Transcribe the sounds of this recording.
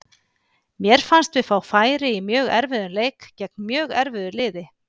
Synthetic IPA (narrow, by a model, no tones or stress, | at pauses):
mjɛɾ̥fanst̪vɪðfaːwfaːjɾɪimjœːɣɛ̰ɾvɪðʏnleːjkcɛk̚nmjœːɣɛɾvɪðʏlɪːðɪ